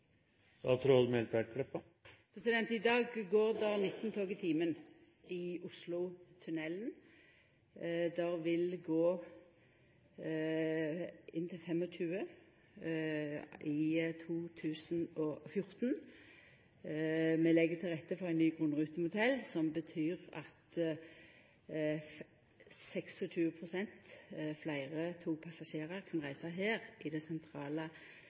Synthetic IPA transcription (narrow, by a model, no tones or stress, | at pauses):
d̪ɑt̪ʰɾoːd̪mɛlt̪ʋæʈ̚ɡʰɽɛpːə | pʰʁɛsɪd̪ɛnt̪ɪd̪ɑːɡɡoːʁd̪ɑnɪt̪ːnt̪ʰoːɡɪt̪ʰiːmən | ɪʊslʊt̪ʰʉnɛlːn | d̪æʁʋɪlɡoː | ɪnːt̪ɪlfɛmɔɕʉːə | ʔɪt̪ʰuːt̪ʰʉːsn̩ɔfjʊʁt̪n | mɛlɛɡət̪ʰɪlʁɛt̪ːəfɔʁæɪnyːɡʁʉnʁʉːt̪əmʊt̪ʰɛlːsɔmbət̪ʰyːʁɑ̰t̪ | sɛksɔʃʉːəpʰʁʊsɛnt̪flæɪʁət̪ʰuːpʰɑsɑʃeːʁəʁkʰɑnʁæɪsɑɦeːʁʔɪd̪ɛsɛnt̪ʰʁɑːlə